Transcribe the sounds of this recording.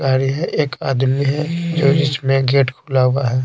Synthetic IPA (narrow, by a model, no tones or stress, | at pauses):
aːɾiɦɛʔeːkaːd̪miɦɛd͡ʒoːd͡ʒɪsmẽɡeːʈkʰuːlaːwaɦɛː